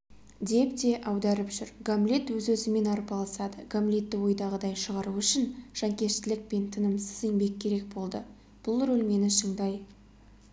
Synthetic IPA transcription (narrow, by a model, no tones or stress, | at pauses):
d̪e̞pt̪e̞ʔɑwd̪ɑɾəpʒʏɾɡamlʲet̪wɵzwɵzɪme̞nɑɾpɑlˠɑsɑd̪əɡamlʲe̞t̪ːɪwo̞jd̪ɑʁəd̪ɑjʃəʁɑɾuʏʃɪnʒ̥ɑŋkʲe̞ʃt̪ɪlɪk̚pe̞nt̪ʰənəmsəze̞ŋbe̞k̚ʲʰːe̞ɾe̞k̚bo̞lˠd̪ə̰ | b̥ʊlˠɾɵlme̞nɪʃəɴd̪ɑj